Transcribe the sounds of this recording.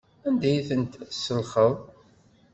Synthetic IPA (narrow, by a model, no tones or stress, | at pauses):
ænd̪æjiθənt̪sːəlχəðˤ